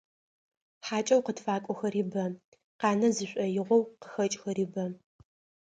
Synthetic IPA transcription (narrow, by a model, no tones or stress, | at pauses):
ħaːt͡ʃʼɐwqətfaːkʷʼɔxɐɾiːbɐ | qɑːnɐzɨɕʷʼɐjɪʁʷɔwqə̥xɐt͡ʃʼxɐɾiːbɐ